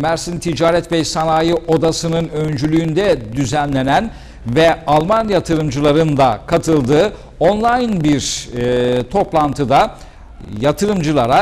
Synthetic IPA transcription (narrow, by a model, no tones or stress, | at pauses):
mæɾsint̪ʰid͡ʒaːɾɛt̪bɛjsanaːjɯʔo̞d̪asɯnɯnønd͡ʒylʲyːnd̪ɛd̪yzænlʲe̞næn | vɛalˠmanjat̪ʰɯɾɯmd͡ʒɯlˠaɾɯnd̪akʰat̪ʰɯlˠd̪ɯː | onlˠajnbiɾ | t̪ʰo̞plˠant̪ʰɯd̪a | jat̪ʰɯɾɯmd͡ʒɯlˠaɾa